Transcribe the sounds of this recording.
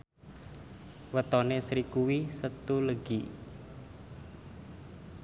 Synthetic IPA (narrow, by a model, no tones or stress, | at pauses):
wət̪ɔnesɾikuwisət̪uləɡ̥i